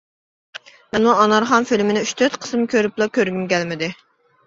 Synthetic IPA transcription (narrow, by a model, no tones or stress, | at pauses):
mɛnmuɑnɑɾχɑnfilmɪnɪyʃt̪ʰøɾt̪qʰə̥smkʲʰøɾyplˠɑkʲʰøɾɡʲymkʲɛlmɪd̪ɪ